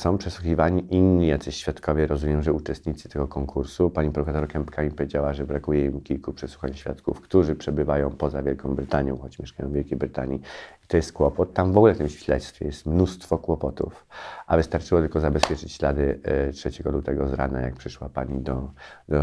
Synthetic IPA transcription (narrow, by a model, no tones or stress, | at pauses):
sɔ̃w̃pʂɛswuxʲivaɲiʔinːijat̪sɘɕfʲjat̪kɔvʲjɛɾɔzumʲjɛmʐɛut͡ʂɛst̪̚ɲit̪sɘ̥t̪ɛɡɔkɔŋkʰuɾsupaɲipɾɔfɛsɔɾkɛmpkamʲipɔvʲjed͡ʑawaʐɛbɾakujɛimkʲilkupʂɛsu̥xaɲɕfʲja̰t̪kufkt̪uʐɘpʂɛbɘvajɔ̃w̃pɔzavʲjɛlkɔ̃w̃bɾɘt̪aɲjɔ̃w̃xɔt͡ɕmʲjɛʂkajɔ̃w̃vʲɛlkʲejbɾɘt̪a̰ɲiit̪ɔjɛst̪̚kwɔpɔt̪ːamvɔɡulɛft̪ɘmɕfʲilɛ̰t̪st̪fʲɛ̰jɛst̪mnust̪fɔkwɔpɔt̪ṵfʔavɘst̪aɾt͡ʂɘwɔt̪ɘlkɔzabɛspʲjɛt͡ʂɘt͡ɕɕlad̪ɘtʂɛt͡ɕɛɡɔlut̪ɛɡɔzɾa̰na̰ja̰k̚pʂɘʂwapaɲid̪ɔd̪ɔ